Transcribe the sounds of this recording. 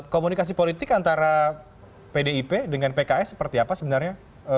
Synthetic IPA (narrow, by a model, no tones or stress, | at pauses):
komunikas̬ipolit̪ɪkant̪aɾa | pedeipedəŋanpekaɛsə̥pərt̪iapasəbənarɲa | ə